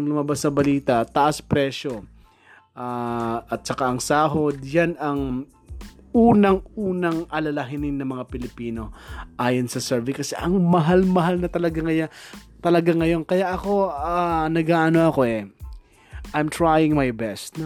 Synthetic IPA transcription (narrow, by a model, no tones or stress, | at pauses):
ŋlʊmɐbasnɐbɐliːt̪ɐt̪ɐʔaspɾɛʃo | ʔaʔɐt̪̚t͡ʃɐkaʔɐŋsaːɦo̞d̪̚janɐŋ | ʔuːnɐŋuːnɐŋʔɐlɐlɐɦɪnɪnːɐmɐŋapɪlɪpiːno̞ʔaːjonsɐsɛɹvɪkɐsɛ̰ʔɐŋmɐɦalmɐɦalnɐt̪ɐlɐɡaŋɐja | t̪ɐlɐɡaŋːɐjo̞nkɐjaʔɐko̞anɐɡaːʔno̞ɐko̞ʔɛ | ʔajmt̪ɹajɪŋmajbɛst̪n